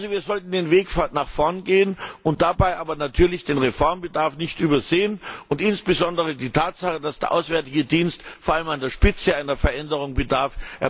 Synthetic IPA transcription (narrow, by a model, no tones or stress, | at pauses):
zoviːɐzɔltn̩deːnveːkfanaχfɔɐnɡeːənʔʊnt̚d̥abaɪʔaːbɐnatʰyːɐlɪçd̥eːnʁefɔɐmbədaɐfnɪçtʔyːbɐzeːənʔʊntʔɪnsb̥əzɔndəʁ̞ədiːtʰaːtz̥aχəd̥asd̥eːɐʔa̰ʊsv̥ɛɐtɪɡədiːnstfoːɐʔaləmandeːɐʃpɪt͡səaɪnɐfɛɐʔɛndəʁ̞ʊŋbədaɐfʔɛɐ